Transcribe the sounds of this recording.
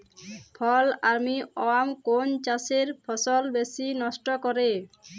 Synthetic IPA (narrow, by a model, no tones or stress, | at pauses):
pʰɔlaɾmiɔwamkont͡ɕaseɾpʰɔsɔlbesinɔʃʈɔkɔɾe